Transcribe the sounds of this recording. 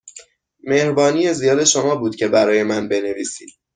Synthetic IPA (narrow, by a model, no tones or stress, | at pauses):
me̞hɾbɒːniːjezijɒːd̪e̞ʃo̞mɒːbuːd̪̥cʲʰe̞bæɾɒːje̞mænbe̞ne̞viːsiːd̪̥